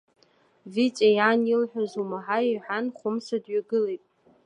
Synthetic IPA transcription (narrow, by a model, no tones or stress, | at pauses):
vit͡ʃʼajanilħᶣazumaħaiħʷᶣanχʷʊmsadɥaɡɨlejtʼ